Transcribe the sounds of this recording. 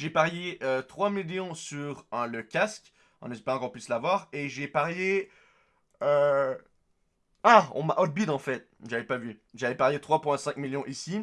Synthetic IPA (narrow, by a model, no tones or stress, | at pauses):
ʒepaʁjeøt̪χwamiljɔ̃syʁləkʲaskʲ | ɑ̃nɛspɛʁɑ̃kɔ̃pɥislavwaːʁeʒepaʁje | ø | aɔ̰̃maʔɔd̪̚bid̪ɑ̃fɛt̪̚ | ʒavɛpavyʒavɛpaʁjet̪χwapwɛ̃sɛ̃kmiljɔ̃ʔisi